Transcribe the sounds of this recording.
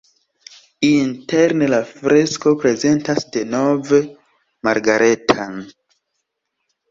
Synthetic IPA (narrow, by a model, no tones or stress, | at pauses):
inteɾnelafɾe̞sko̞pɾe̞ze̞ntasde̞no̞ve | maɾɡaɾe̞tʰan